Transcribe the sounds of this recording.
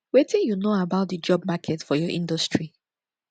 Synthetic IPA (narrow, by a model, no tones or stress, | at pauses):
wetĩnjunoabaʊt̚dəd͡ʒɔb̚makʰɛtfɔjɔʔḭ̃ndɔstʰɹi